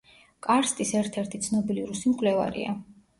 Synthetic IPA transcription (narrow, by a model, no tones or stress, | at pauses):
kʼaɾst̪ʼisɛɾt̪ʰɛɾt̪ʰit̪sʰnɔbiliɾusimkʼlɛva̰ɾḭa̰